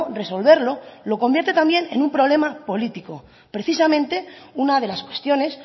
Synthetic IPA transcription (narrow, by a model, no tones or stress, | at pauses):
re̞so̞lβe̞ɾlo̞lo̞ko̞mbje̞ɾt̪e̞t̪ambje̞ne̞̰nũmpɾo̞β̞le̞mapo̞lit̪iko̞ | pɾe̞θisamẽ̞nt̪e̞unað̞e̞laskwe̞st̪jo̞ne̞s